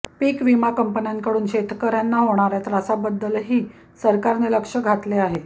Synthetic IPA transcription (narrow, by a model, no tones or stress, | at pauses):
piːkʋimakəmpənjaŋkəɽuːnɕet̪ʰkəɾjanːaɦoɽ̃aɾjat̪ɾasabəd̪ːəlɦiː | səɾkaɾneləkʂəɡʱat̪leaɦe